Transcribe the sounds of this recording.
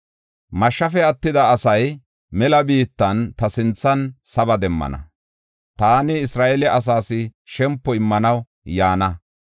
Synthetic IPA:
mɐʃːɐfɛɐt̪ːɪd̪ɐːsɐj | mɛlɐbiːt̪ːɐnt̪ɐsɪnt͡sːɐnsɐbɐd̪ɛmːɐ̰nɐ̰ | t̪aːnɪɪsɾaːʔɛlɛʔɐs̬aːsɪʃɛmpːɔɪmːɐnɐw | jaːnɐ

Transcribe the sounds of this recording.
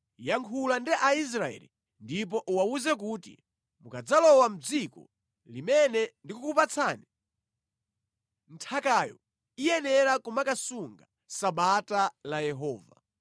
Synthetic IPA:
jaŋkʰulandiʔais̬ɾaɛ̰lḭ | ndip̬ɔʔuwauzɛk̬uːtḭ | mukad͡zalɔwam̩d͡zikɔ̰ | limɛnɛndikukupat͡sʰaːni | n̩tʰakajɔ̰ | ijɛnɛɾakumakasuŋɡa | saɓatalajɛɦɔːva̰

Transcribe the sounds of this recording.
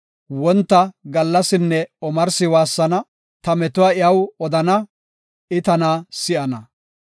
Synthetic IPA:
wɔnt̪ːɐɡɐlːɐsɪnːɛɔmɐɾsɪwaːsːɐnɐ | t̪ɐmɛt̪ʊwaːɪɐwɔd̪ɐnɐ | ɪt̪ɐnaːsɪʔɐnɐ

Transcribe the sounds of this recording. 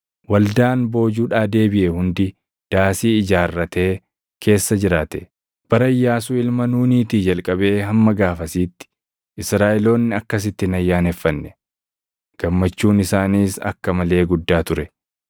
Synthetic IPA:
wɐld̪aːnbo̞ːd͡ʒuːᶑaːd̪e̞ːbɪʔɛhʊnd̪ɪ | d̪̥aːsiːɪd͡ʒaːrːɐt̪e̞ː | kʰe̞ːsːɐd͡ʒɪɾaːt̪ɛ | b̥ɐɾɐjːaːs̬uːɪlmɐnuːniːt̪iːd͡ʒɐlkʼɐbe̞ːɦɐmːɐɡaːfɐsiːt̪ːɪ̥ | ʔɪsɾaːʔɛlo̞ːnːɪɐkːɐs̬ɪt̪ːɪnɐjːaːnɛfːɐnːɛ | ɡ̥ɐmːɐt͡ʃːuːnɪsaːniːsɐ̰kːɐmɐle̞ːɡʊd̪ːaːt̪ʊɾɛ

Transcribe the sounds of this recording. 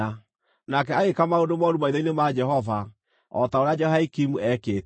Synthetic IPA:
a | nakɛaɣekamaondomɔɾumaiðainemad͡ʒɛɦɔva | ɔ̰taoɾead͡ʒɛhaikimuɛkeːt

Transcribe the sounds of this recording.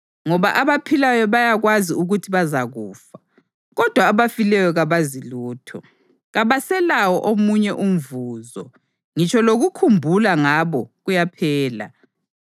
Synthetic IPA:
ŋɔβaʔaβapʰilajɔβajaɣwaziuɣutʰiβazaɣuːfḁ | ɣɔd̥ʱwaːβafilɛjɔɣaβaziluːtʰɔ | ɣaβasɛlawɔʔomuɲɛʔum̩vuːzɔ | ŋit͡ʃʰɔloɣukʰumbʱulaŋaβɔɣujapʰɛːla̰

